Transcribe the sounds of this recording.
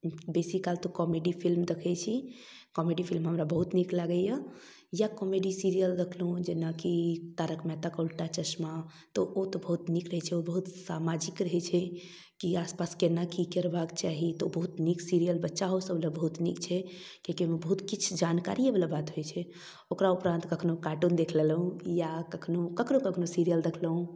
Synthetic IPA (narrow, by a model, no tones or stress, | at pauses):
besikːalt̪ɔkɔmeɖipʰilmd̪ekʰɛt͡ʃʰi | kɔmeɖipʰilmɦəmɾabəɦut̪niklaɡəja | jakɔmeɖisiɾijəld̪ekʰlɦũd͡ʒenakit̪aɾəkmɛt̪akolʈat͡ʃəsma | t̪ɔʔot̪ɔbəɦut̪nikɾəɦɛt͡ʃʰɛobəɦut̪samad͡ʒikɾəɦɛt͡ʃʰɛ | kiaspaskenakikəɾbakt͡ʃaɦit̪ɔobəɦut̪niksiɾijəlbətːʃaɦosəblebəɦut̪nikt͡ʃʰɛ | kekimebəɦut̪kit͡ʃʰd͡ʒanka̰ɾiɦebelabat̪ɦojt͡ʃʰɛ | okɾaupɾãnt̪kəkʰnokaʈund̪ekʰlelɦũjakəkʰnokəkʰnokəkʰnosiɾijəlɾəkʰləɦũ